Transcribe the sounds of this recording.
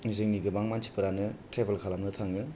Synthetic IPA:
izɯŋniɡɯbaŋmansʰi̥pɯɾanɯtɾebelkʰalamnɯt̪ʰaŋɯ

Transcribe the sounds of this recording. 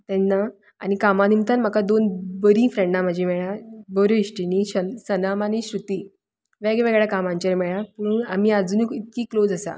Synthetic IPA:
t̪ɛnːa | añikamanimt̪anm̤əkad̪onbəɾĩːfɾẽɳɖãməd͡ʑʱimɛɭãbəɾoiɕʈiniɕəsənamaniɕɾut̪iː | ʋeɡɛʋɛɡɭjakamãɲt͡ɕaɾmɛɭapuɳamiːad͡zunikit̪kiːklod͡zəsa̰

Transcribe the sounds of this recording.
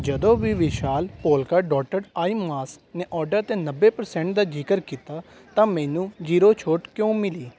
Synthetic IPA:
d͡ʒəd̪õːʋiːʋɪʃaːlpoːlkaːɖɔːʈəɖaːiːmaːsneːʔɔːɖəɾt̪eːnəbːeːpəɾsɛ̃ːɳʈ̚d̪aːd͡ʒiːkəɾkiːt̪aː | t̪ãːmɛːnũːd͡ʒiːɾoːt͡ʃʰoːʈkjõːmɪliː

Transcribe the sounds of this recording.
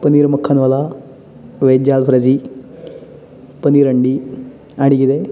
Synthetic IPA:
pɐniːɾmɐkʰːɐnʋɐlɐ | ʋeːd͡ʒjaːlpʰɾɐd͡ʒi | pɐniːɾɐɳɖi | aɽiɡid̪e

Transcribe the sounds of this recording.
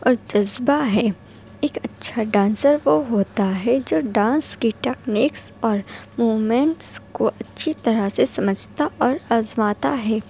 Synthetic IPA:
ɔːɾd͡ʒɐzbaɦɛː | eːkɐtːʃʰaɖãːnsəɾʋoɦoːt̪aɦɛd͡ʒoːɖãːnskiʈɛːkniːksɔːɾmuːmẽɳʈskoʔɐtːʃʰit̪ɐɾəsesɐməd͡ʒʱt̪aʔɔːɾaːzmaːt̪aɦɛː

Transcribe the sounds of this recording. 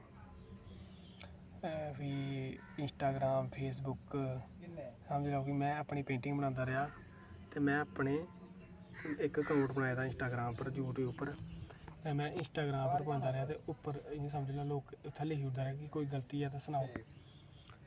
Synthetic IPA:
fiː | ɪnsʈaːɡɾaːmpʰeːs̬bʊk | səːmd͡ʒːlaːoːkimɛ̃ːaːpɳiːpẽːɳʈɪ̃ŋɡbəɽ̃ãːnd̪aːɾɪjaː | t̪eːmɛ̃ːapɳeː | ɪkːənoːʈbəɽaːeːd̪aːɪ̃nsʈaːɡɾaːmpəɾd͡ʒjuːʈiːʊpːəɾt̪eːmɛ̃ːʔɪnsʈaːɡɾaːmpəɾbənãːnd̪aːɾɪjaːt̪eːʔʊpːəɾɪãːsəmd͡ʒeːlaːloːkʊt̪ʰːɛːleːɦiːd̪aːɾeaːkɪkoːiːɡəlt̪iːɛːt̪ãːsənaːoː

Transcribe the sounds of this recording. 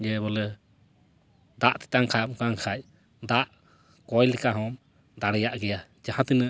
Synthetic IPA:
d͡ʒɛbɔlɛ | d̪aʔt̪ɛ̥t̪aŋkʰamkaŋkʰac̚ | d̪aʔ | kɔjlɛkaɦɔm | d̪aɽɛjaʔɡɛja | d͡ʒahãt̪inə

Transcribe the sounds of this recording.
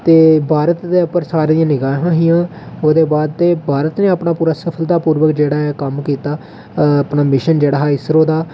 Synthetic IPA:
t̪eːbʱaːɾət̪d̪eːʊpəɾsaːɾd̪iãːnɪɡaːɦãːɦijãːoːd̪eːbaːd̪̚t̪eːbʱaːɾət̪nẽːapɳaːpuːɾaːsəpʰəld̪aːpuːɾʋəkd͡ʒeːɽaːɦɛkəmkiːt̪aː | apnaːmɪʃənd͡ʒeːɽaːɦɛːɪsɾoːd̪aː

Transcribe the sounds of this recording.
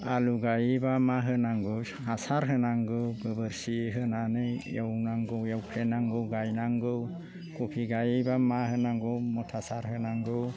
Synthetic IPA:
aluɡajibamaɦɯnaŋɡɯ | asaɾɦɯnaŋɡɯɡɯbɯɾsiɦɯnanɯjjewnaŋɡɯwjewkʰlenaŋɡɯwɡajnaŋɡɯ | kopʰiɡajibamahɯnaŋɡɯwmɔtʰasaɾɦɯnaŋɡɯw

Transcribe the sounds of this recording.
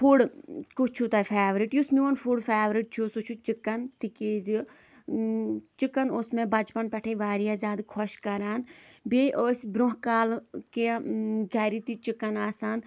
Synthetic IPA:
pʰuɽkut͡ʃʰut̪aːpʰeːʋɾiʈjusmionpʰuɽpʰeːʋɾiʈ̚t͡ʃʰusut͡ʃʰut͡ʃɪkːɐnt̪ikeːzi | t͡ʃɪkːɐnʊsmẽːbɐt͡ʃpɐnpɛʈʰeːʋaːɾijaːzʲaːd̪kʰɔʃkɐɾaːnbeːʔoːsbɾʊ̃ɦkaːlkeɡɐɾit̪it͡ʃɪkːɐnaːsaːn

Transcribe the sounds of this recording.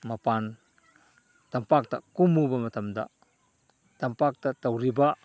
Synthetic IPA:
mɐpaːn | t̪ɐmpak̚t̪a̰ʔkumubɐmɐt̪ɐmd̪a̰ʔ | t̪ɐmpak̚t̪at̪ɐwɾibaʔ

